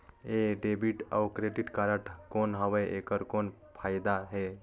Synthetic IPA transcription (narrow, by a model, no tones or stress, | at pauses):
eɖebiʈa̰wkɾeɖiʈkaɾəʈkonɦəʋəʔekəɾkon | pʰajd̪aɦe